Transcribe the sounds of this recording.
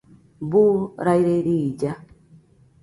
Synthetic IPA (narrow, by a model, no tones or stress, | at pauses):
buːɾajɾeɾid͡ʒa